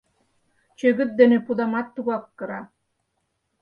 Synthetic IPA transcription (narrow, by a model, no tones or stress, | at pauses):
t͡ɕøɣɘ̆t̪̚d̪enepud̪ɑmɑt̪ːuɣɑkːɤ̆ɾɑ